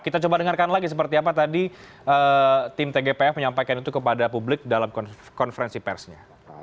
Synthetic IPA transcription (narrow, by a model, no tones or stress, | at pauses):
kit̪at͡ʃobadəŋarkanlaɡis̬əpərt̪iapat̪adi | ʔəːt̪ɪmt̪eɡepeɛfməɲampajkanit̪ukəpadapublɪk̚dalamkɔ | kɔnfəɾɛnsipɛ̰rsɲa